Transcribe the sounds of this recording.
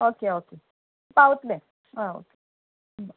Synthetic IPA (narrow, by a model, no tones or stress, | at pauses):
okeoke | paut̪lɛ̃ | ao̰ke